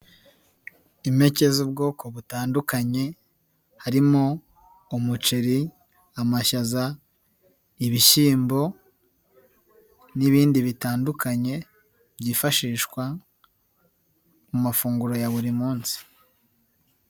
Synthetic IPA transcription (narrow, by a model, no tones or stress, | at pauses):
ime̞ce̞zub̚ɡo̞ːkʰo̞βutaːndukaɲe̞ | haɾimo | umut͡ʃeɾi | amaʃaza | iβiʃiːmbo̞ | niβiːndiβitaːndukaɲe̞ | b̥ɟiːfaʃiːʃkwa | mumafuːŋɡuɾo̞jaβuɾimuːnsi̥